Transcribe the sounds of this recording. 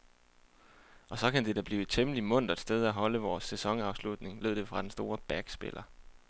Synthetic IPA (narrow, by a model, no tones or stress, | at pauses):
ʔɒ̽sɒ̽kænd̥e̝d̥æb̥liːt͡sʰeməlimɔ̽n̰d̥ɐd̥sd̥eð̞ˠæɦɒ̽ləʋɒːsːesɒ̽ŋɑ̈ʊslud̥ne̝ŋle̝ð̰ˠd̥e̝fʁɑ̈d̥ensd̥o̝ːɐb̥æɡ̥sb̥e̝̰lʔɐ